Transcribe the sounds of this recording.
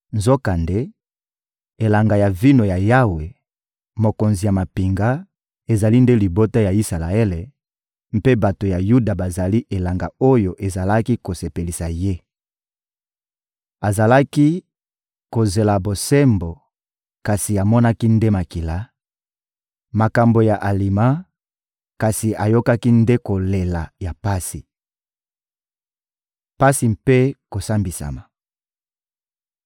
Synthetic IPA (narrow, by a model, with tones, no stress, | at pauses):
nzo˦ka˨nde˦ | e˨la˨ŋɡa˨ja˨vi˦no˨ja˨ja˦we˨ | mo˨ko˨nzi˨ja˨ma˨pi˨ŋɡa˦ | e˨za˨li˦nde˦li˨bo˦ta˦ja˨i˦sa˨la˨e˦le˨ | m̩˦pe˦ba˨to˨ja˨ju˦da˨ba˨za˨li˦ʔe˨la˨ŋɡa˨o˦jo˨ʔe˨za˨la˦ki˦ko˨se˨pe˨li˨sa˨je˦ | a˨za˨la˦ki˦ | ko˨ze˨la˨bo˨sɛ˦mbo˨ | ka˨si˨a˨mɔ˦na˦ki˦nde˦ma˨ki˨la˦ | ma˨ka˨mbo˨ja˨ʔa˨li˨ma˦ | ka˨si˨ʔa˨jo˦ka˦ki˦nde˦ko˨le˨la˨ja˨pa˦si˨ | pa˦si˨mpe˦ko˨sa˦mbi˨sa̰˨ma˨